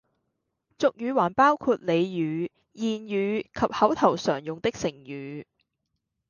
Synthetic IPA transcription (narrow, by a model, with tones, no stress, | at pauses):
t͡sʊ˨k̚jyː˨˧˥waː˨˩npaː˥wkʰuː˧t̚le˨˧jjyː˨˧˥ | jiː˨njyː˨˧kʰɐ˨p̚hɐ˨˥wt̪ʰɐ˨˩wsœː˨˩ŋjʊ˨ŋt̪ɪ˥k̚sɪ˨˩ŋjyː˨˧